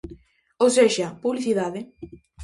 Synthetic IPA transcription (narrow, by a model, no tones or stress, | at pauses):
owseʃapuβliθiðaðe